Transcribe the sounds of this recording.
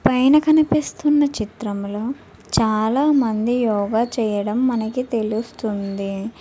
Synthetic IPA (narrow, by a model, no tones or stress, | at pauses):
pɐjnɐkɐnipist̪unːɐt͡ʃit̪ɾɐmloː | t͡ʃaːlaːmɐnd̪ijɔːɡaːt͡ʃɛːjɐɽɐmːɐnɐkit̪e̞lust̪und̪i